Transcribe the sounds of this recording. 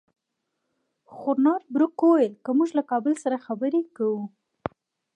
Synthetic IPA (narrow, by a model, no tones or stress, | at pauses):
xʊɾnɑd̪̚bɾʊkowaəlkəmuʒlakɑbɪlsaɾaxabəɾekawu